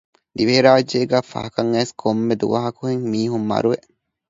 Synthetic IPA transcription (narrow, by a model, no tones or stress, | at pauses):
d̪iʋeeɾaːɐd͡ʒːeːɡaːfɐ̰hɐkɐŋːeːskʰomːed̪ṵʋɐɦɐkuheŋmiːɦumːɐ̰ɾuʋeʔ